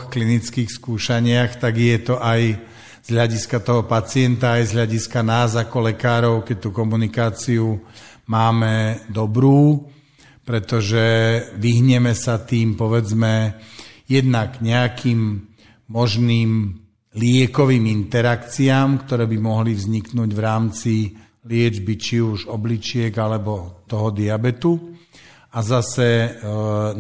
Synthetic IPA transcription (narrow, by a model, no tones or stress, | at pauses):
xklinit͡skiːxskuːʃaɲɪaxt̪aɡjɛt̪ɔʔaj | z̥ɦʎaɟiskat̪ɔɦɔpat͡sɪɛnt̪aːjzɦʎaɟiskanaːzakɔlɛkaːɾɔʊkɛc̚t̪ukɔmunikaːt͡siumaːmɛd̪ɔbɾuː | pɾɛt̪ɔʒɛʋiɦɲɛmɛsat̪iːmpɔʋɛd͡zmɛ | jɛd̪naɡɲɛakʰiːm | mɔʒniːm | lɪɛkɔʋiːmint̪ɛɾakt͡siaːmkt̪ɔɾɛːbimɔɦlivzɲiknuːɟʋɾaːmt͡si | lɪɛd͡ʒbit͡ʃiuʒɔblit͡ʃɪɛɡalɛbɔt̪ɔɦɔd̪iabɛt̪u | azasɛ